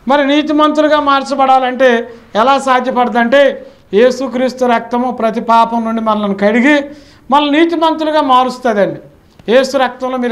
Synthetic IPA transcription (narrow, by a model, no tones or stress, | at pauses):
mɐɾiniːt̪̬imɐnt̪ɾuluɡaːmaːɾt͡ʃɐbɐɽaːlɐɳʈe̞ːɛlaːsaːd̪ʱjɐpɐɽɐd̪ɐɳʈe̞ː | je̞ːsukɾiːst̪uɾɐk̚t̪ɐmoːpɾɐt̪ipaːpɐmnuɳɖimɐnɐlɐnukɐɽiɡi | mɐlːɐniːt̪imɐnt̪uluɡaːmaːɾust̪aːd̪ɐɳɖi | je̞ːsuɾɐk̚t̪ɐmlo̞ːmiːɾ